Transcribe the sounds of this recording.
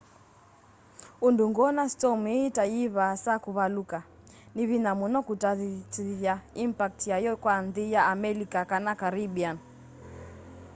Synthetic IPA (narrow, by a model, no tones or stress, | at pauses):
unduŋɡɔnastɔmitaiβasakuβaluka | niβinamunɔkutaitiðjaimpak̚tjajɔkwanðijaːmɛlikakanakaɾiɓian